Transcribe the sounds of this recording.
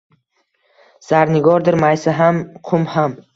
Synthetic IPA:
z̥aɾnɪɡɒɾd̪ɪɾmajsaɦamqʰʊmham

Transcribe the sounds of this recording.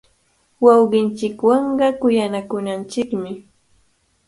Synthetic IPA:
wɑwɢɪnt͡ʃɪkwɑɴɢɑkʊjanakʊnant͡ʃɪkmɪ

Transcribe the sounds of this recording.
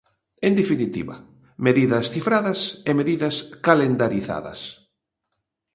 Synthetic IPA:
end̪efinit̪ḭβɐ̰ | meðiðɐsθifɾaðɐsemeðiðɐskalend̪aɾiθa̰ðɐ̰s

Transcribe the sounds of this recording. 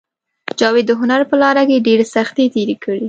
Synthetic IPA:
d͡ʒɑwed̪ːəɦʊnaɾpəlɑɾakeɖeɾesaxt̪et̪eɾekʰəɽi

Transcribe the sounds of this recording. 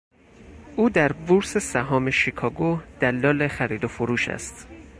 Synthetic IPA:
ʔuːd̪æɾbuɾsesæɦɒːmeʃikʰɒːɡod̪̥ælːɒːlexæɾiːd̪ofoɾuːʃæ̰st̪

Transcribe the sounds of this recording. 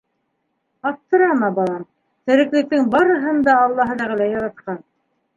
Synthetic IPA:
ɑt̪ːɤ̆ɾɑmɑbɑlˠɑm | t̪ɘ̆ɾɘ̆klɘ̆k̚t̪ɘŋbɑɾɤ̆ɦɤ̆nd̪ɑːlˠːɑɦɤ̆ðæʁɘ̆læjɑɾɑt̪̚qɑn

